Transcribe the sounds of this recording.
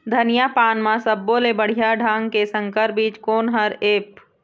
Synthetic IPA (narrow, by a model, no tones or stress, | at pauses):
d̪ʱɐnɪjapaːnmãsəbːolebəɽ̤ijaɖʱãːŋɡkesə̃ŋkəɾbiːt͡ʃkoːnɦəɾeːp